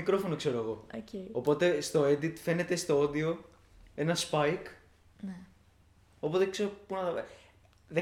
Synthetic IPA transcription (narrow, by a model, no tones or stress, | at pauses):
ikɾo̞fo̞nokse̞ɾoɐɣo̞oceːpo̞t̪e̞st̪o̞ed̪it̪fe̞ne̞t̪e̞st̪ood̪io̞ | e̞nɐspɐjk | ne | o̞po̞t̪ekse̞ɾopunɐ | ðe